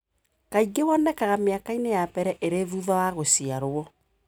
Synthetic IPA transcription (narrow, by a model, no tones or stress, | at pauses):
kaiɡewɔnɛkaɣameakainejapɛɾɛʔeɾeðuðawaɣosiaɾoɔ